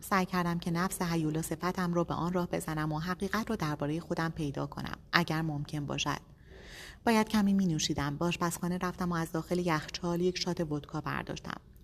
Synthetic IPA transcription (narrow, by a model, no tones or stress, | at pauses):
sæjcʰæɾd̪æmcʰe̞næfse̞ɦæjulɒːse̞fæt̪ʰæmɾɒːbeʔɒːnrɒːhbe̞̰zænæmoɦæɣiːɣæt̪ʰɾɒːd̪æɾbɒːɾe̞je̞xo̞d̪æmpʰe̞jd̪ɒ̰ːkʰo̞̰næ̰mʔæɟæɾmo̞mcʰe̞nbɒ̰ːʃæ̰d̪̥̚ | b̥ɒːjæd̪̥̚cʰæmiːmiːnuːʃiːd̪æmbɒːʃbæsxɒːneɾæft̪æmoæzd̪ɒːxe̞lejæxt͡ʃʰɒːljecʃɒːd̪e̞vot̪kʰɒːbæ̰ɾd̪ɒ̰ːʃt̪ʰæ̰m